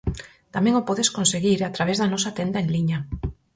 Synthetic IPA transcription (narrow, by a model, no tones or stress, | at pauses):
t̪amẽŋopɔðeskonseɣiɾat̪ɾaβezðanɔsat̪end̪aeŋliɲa